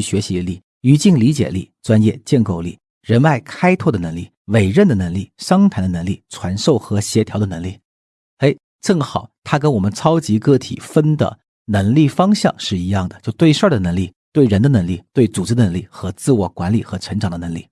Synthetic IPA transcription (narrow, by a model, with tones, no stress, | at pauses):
y˥˩ɕɥɛ˧˥ɕi˧˥˧li˥˩ | y˧˥t͡ɕi˥˩ŋli˧˥t͡ɕjɛ̰˨˩li˥˩ʈ͡ʂwa˥njɛ˥˧t͡ɕjɛ˥˧nko˥˧ʊli˥˩ | ɻə˧˥na˥˩ɪkʰa˥ɪt̪ʰwɔ˥˩d̪ə˩nɤ˧˥ŋli˥˩ | we˨˩ɪɻə˥˩nd̪ə˩nə˧˥ŋli˥˩ʂɑ˥ŋt̪ʰa˧˥nd̪ə˧nɤ˧˥ŋli˥˩ʈ͡ʂʰwa˧˥nʂo˥˩ʊxɤ˧˥ɕjɛ˧˥t̪ʰjɑ˥d̪ə˧nɤ˧˥ŋli˥˩ | e˧˥ɪ | ʈ͡ʂɤ˥˩ŋxɑ˨˩˦ʊt̪ʰa˥k̬ə˥nwɔ˨˩mə˦nt͡sʰɑ˥ʊt͡ɕi˧˥kɤ˥˩t̪ʰḭ˨˩fə˥nd̪ə̰˨˩ | nɤ˧˥ŋli˥˩fɑ˥ŋɕjɑ˥˧ŋʂɻ̩˥˩i˧˥jɑ˥˩ŋd̪ə˩t͡ɕjo˥˧ʊt̪we˥˧ɪʂə˞˥˩d̪ə˩nɤ˧˥ŋli˥˧t̪we˥˩ɪɻə˧˥nd̪ə˧nɤ˧˥ŋli˥˩t̪we˥˩ɪt͡su˨˩ʈ͡ʂɻ̩˥d̪ə˧nɤ˧˥ŋli˥˩xɤ˧˥t͡sɹ̩˥˧wɔ˥˩kwa˧˥nli˨˩xɤ˧˥ʈ͡ʂʰə˧˥ŋʈ͡ʂɑ˨˩ŋd̪ə˦n˧˥ŋlḭ˥˩